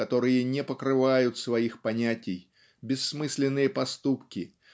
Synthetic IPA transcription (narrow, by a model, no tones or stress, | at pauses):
ɐt̪o̞ɾɨjənʲɛpəkɾɨvajʊt̪svɐixpɐnʲætʲɪj | bʲɪsːmɨsʲlʲɪnːɨjəpɐst̪upkʲɪ